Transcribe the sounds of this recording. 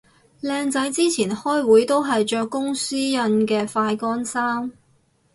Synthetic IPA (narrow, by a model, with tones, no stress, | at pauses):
lɛː˧ŋt͡sɐ˨˥jt͡siː˥t͡sʰiː˨˩nhɔː˥jwuː˨˥jt̪o˥wɦɐ˨jt͡ʃœː˧kːʊ˥ŋsyː˥jɐ˧nkɛː˧faː˧jkɔː˥nsaː˥m